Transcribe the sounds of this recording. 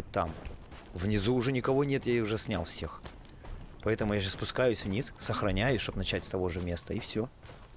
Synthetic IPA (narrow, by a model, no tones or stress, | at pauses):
tʲt̪ːa̰m | vnʲɪzuʊʐɛnʲɪkɐvonʲe̞t̪jaʊʐɛsʲnʲa̰lˠfsʲe̞̰x | pɐɛt̪əmʊjaɕaspʊskajʊsʲvnʲissəxɾɐnʲæjʊsʲʂt̪opnɐt͡ɕætʲst̪ɐvo̞ʐɨmʲe̞st̪əifsʲɵ